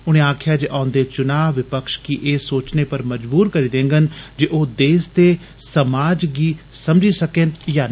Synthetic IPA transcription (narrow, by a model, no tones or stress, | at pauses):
ʊɽ̃ẽːaːkʰjaːd͡ʒeʔãːʊnd̪eːt͡ʃʊnaːʋɪpəkʃkɪʔeːsoːt͡ʃneːpəɾməd͡ʒbuːɾkəɾiːd̪ẽːŋɡənd͡ʒiʔoːd̪eːst̪eː | səmaːd͡ʒɡiː | səmd͡ʒiːsəkenjaː